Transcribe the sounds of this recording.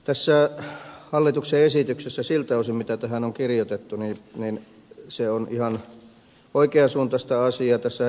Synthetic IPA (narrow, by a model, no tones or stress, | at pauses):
t̪æsːæˑhɑlːit̪ukseesit̪yksesːæsilt̪ɑosimmit̪æt̪æhænoŋkirjot̪et̪ːuniˑnin | seonihɑn | oikeɑsuːnt̪ɑst̪æɑsiɑt̪æsːæ